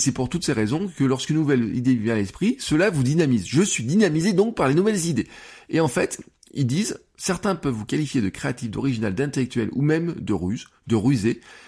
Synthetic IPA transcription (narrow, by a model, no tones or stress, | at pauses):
sɛpuʁt̪ut̪seʁezɔ̃kəlɔʁskynːuvɛlḭd̪evjɛ̃alɛspχisəlavud̪inamizʒəsɥid̪inamized̪ɔ̃k̚paʁlenuvɛlzid̪eeɑ̃fɛt̪ | ild̪iz | sɛʁt̪ɛ̃pœvːukʲalifjed̪əkχeat̪ifd̪ɔ̰ʁiʒinald̪ɛ̃t̪elɛk̚t̪ɥɛlṵmɛmd̪əʁyz | d̪əʁyze